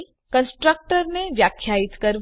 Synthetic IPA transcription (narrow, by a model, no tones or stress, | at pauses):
kə̃nsʈɾək̚ʈəɾneʋjaːkʰjaːɪt̪kɐɾ